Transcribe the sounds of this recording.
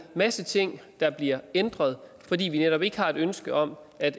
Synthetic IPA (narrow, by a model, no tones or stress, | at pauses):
mæsət͡sʰe̝ŋ̰d̥ɑ̈b̥liɐend̥ʁɐð̞ˠ | fɒdḭːʋineɾɒ̽b̥e̝ɡ̥əhɑ̈e̝d̥ønsɡ̥əɒ̽m | æd̥